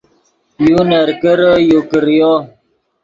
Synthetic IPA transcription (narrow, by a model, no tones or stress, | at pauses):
junəɾkəɾəjokəɾjɔ